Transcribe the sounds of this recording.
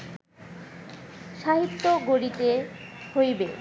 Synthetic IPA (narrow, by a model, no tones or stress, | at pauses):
ʃaɦit̪ːoɡoɽit̪ehojbe